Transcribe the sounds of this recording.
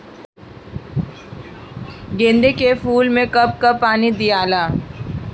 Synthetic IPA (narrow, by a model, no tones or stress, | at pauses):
ɡẽːnd̪ekefuːlmẽkɐp̚kapaːnid̪ijaːlaː